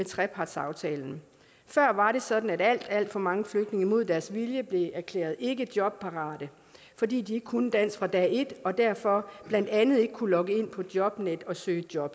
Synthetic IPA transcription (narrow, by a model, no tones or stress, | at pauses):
met͡sʰʁɛpʰɑ̈d̥sɑ̈ʊt͡sʰɛːln̩ | fɶɐ̰ʋɑ̈ɾe̝sɒ̽d̥n̩æɾ̥æl̰d̥æl̰d̥fɒ̽mɑ̈ŋəfløɡ̥d̥ne̝ŋimo̝ð̞̰ˠd̥æɐsʋiljəb̥le̝æɐkʰlḛːɐð̩ˠe̝ɡəd̥jɒ̽b̥̚pʰɑ̈ʁɑ̰̈ːɾ̥ə | fɒ̽dḭːd̥ie̝ɡ̥ə̥kʰunəd̥æn̰sfʁɑ̈d̥ɛːe̝d̥ɒ̽d̥æɐ̰fɒ̽b̥læn̰d̥ænð̞̩ˠe̝ɡ̥əkʰulɒ̽ɡ̥əe̝n̰pʰɒ̽d̥jɒ̽b̥ned̥ɒ̽søːəd̥jɒ̽b̥